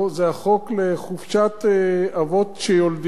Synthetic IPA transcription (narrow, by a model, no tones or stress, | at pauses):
zeaχokleχufʃat̪avot̪ʃejold̪